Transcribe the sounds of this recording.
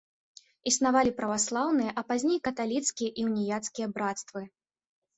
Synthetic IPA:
isnavalʲipɾɐvaslˠawnɨjɐʔɐpazʲnʲejkɐt̪alʲit̪skʲijɐʔiwnʲijat̪skʲijɐbɾat̪st̪vɨ

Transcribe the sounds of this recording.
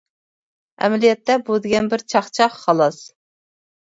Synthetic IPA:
ɛ̰mɛlijɛt̪ʰːɛbud̪ɪɡʲɛnbɪɾt͡ʃʰɑχt͡ʃʰɑχːɑlˠɑs

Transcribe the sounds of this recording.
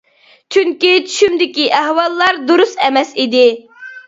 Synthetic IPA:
t͡ʃʰyŋkʲit͡ʃʰy̥ʃymd̪ɪkʲiʔæɦwɑlˠːɑɾd̪oɾusɛmɛsid̪ɪ

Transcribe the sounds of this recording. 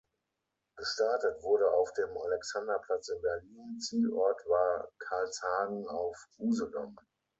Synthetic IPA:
ɡ̥əʃtaɐtətv̥ʊɐɾəaʊfd̥eːmalɛksandɐpʰl̥at͡sɪmbɛɐliːnt͡siːlʔɔɐtv̥aːɐkʰaɐlshaːɡŋ̩aʊfuːzəlɔ̰n

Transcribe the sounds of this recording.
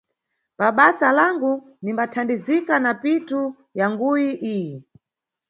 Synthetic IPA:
paɓasalaŋɡu | nimbatʰandizikanapitu | jaŋɡujiʔiːjɛ

